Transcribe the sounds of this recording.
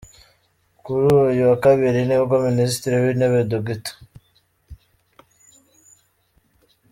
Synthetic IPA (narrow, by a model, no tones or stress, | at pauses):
kuɾuːjuakaβiɾiniβɡominis̬tiɾiβineβedoɡitḁ